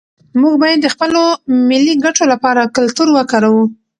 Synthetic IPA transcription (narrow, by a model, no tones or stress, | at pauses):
muɡbɑjad̪ːəxpəlomɪlːiɡaʈolapɑɾakʊlt̪uɾwəkɑɾawu